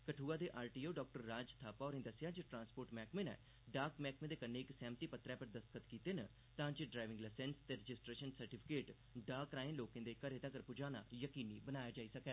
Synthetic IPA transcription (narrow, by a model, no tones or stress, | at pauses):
kəʈʰuːaːd̪eːʔaːɾʈiːoːɖɔːk̚ʈəɾːaːd͡ʒt̪ʰaːpaɔːɾɦẽːd̪əsɪjaːd͡ʒəʈɾãːnspoːɾʈmɛːkmẽːnɛ̰ː | ɖaːkmɛːkmẽːd̪eːkənːeːɪksɛ̃ːmət̪iːpət̪ɾɛːpəɾd̪əst̪kʰət̪kiːt̪eːnə | t̪ãːd͡ʒəɖɾaːjʋɪ̃ŋɡləsɛnst̪eːɾɪd͡ʒɪsʈɾeːʃənsəɾʈɪːpʰɪ̥keːʈ | ɖaːkɾãːẽːloːkẽːd̪eːkəɾeːt̪ãːkəɾpʊd͡ʒaːna̰ːjəkiːniːbənaːjaːd͡ʒaːiːsəkɛː